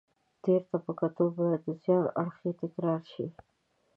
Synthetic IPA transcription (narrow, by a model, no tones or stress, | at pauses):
d̪̥eɾt̪apəkat̪obajad̪əzjɑna̰ɽxet̪ɪkɾɑɾʃi